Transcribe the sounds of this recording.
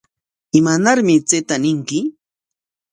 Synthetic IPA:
ɪmanaɾmɪt͡set̪anɪŋkɪ

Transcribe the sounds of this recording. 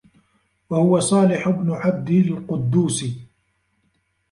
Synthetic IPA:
wahʊwasˤɑːlɪħʊbnʊʕab̚d̪ɪlqʊd̪ːuːsɪ

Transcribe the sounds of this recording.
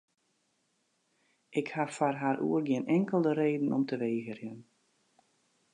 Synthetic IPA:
ʔɪkhafarɦaːɾʔṵərɡɪənɛŋkəlˠdəɾeːdn̩ɔmtəʋeːɣərjən

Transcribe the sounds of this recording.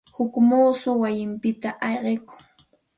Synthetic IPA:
hʊkmuːsʊwajɪmpɪt̪aʔɑjɢekʊ̥ŋ

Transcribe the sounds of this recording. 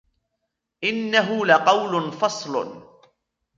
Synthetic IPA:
ʔɪnːaɦʊlaqɑwlʊnfɑsˤlʊ̰

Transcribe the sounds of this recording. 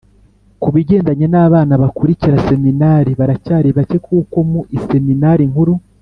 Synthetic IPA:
kuβiɟe̞ːndaɲe̞naːβaːnaβakuɾiciɾase̞minaːɾiβaɾacaːɾiβace̞kʰuːko̞muʔise̞minaːɾiŋ̥huɾu

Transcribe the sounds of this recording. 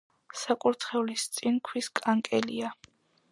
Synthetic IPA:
sakʼuɾt̪χɛulist̪sʼinkʰwiskʼaŋkʼɛlḭa

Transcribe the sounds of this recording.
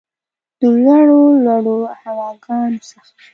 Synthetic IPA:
d̪̥əlwaɽolwaɽohawɑɡɑnosəx

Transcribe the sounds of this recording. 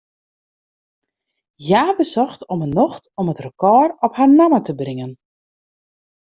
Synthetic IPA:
jaːbəsɔxtɔmənɔxtɔmətrəkɔːrɔpharnamətəbrɪŋən

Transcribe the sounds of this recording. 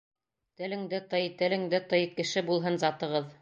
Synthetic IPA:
t̪ɘ̆lɘ̆ŋd̪ɘt̪ɤjt̪ɘ̆lɘ̆ŋd̪ɘt̪ɤjkɘ̆ʃɘbulˠɦɤnzɑt̪ɤ̆ʁɤð

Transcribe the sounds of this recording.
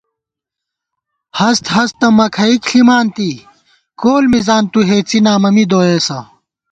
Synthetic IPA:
hɐst̪ɦɐst̪ɐmɐkʰɐikɬimaːnt̪i | koːlmizaːnt̪uɦeːt͡sinaːmɐmid̪oːeːsɐ

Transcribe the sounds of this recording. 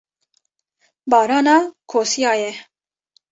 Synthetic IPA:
bɑːɾɑːnɑːkʰoːsijɑːjɛ

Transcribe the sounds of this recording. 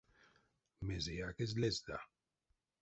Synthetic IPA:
mezeakezlezd̪a̰

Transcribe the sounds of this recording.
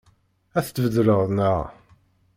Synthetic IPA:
æθt͡s̪ːvəðɾəʁðˤnəʁ

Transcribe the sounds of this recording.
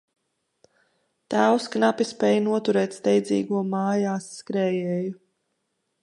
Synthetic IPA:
t̪æwsknapispɛːjnuɔt̪uɾɛːt̪st̪ɛjd̪zʲḭːɡuɔmaːjaːsːkɾɛːjɛːju

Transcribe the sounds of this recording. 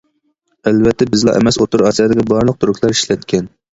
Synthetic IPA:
ælvɛt̪ʰːɛbɪzlˠɑ̰ʔḛmɛsot̪uɾɑsijɑd̪ɪkʲibɑɾlˠəq̚t̪ʰuɾukʰʲlˠɑɾi̥ʃlɛt̪kʲʰɛn

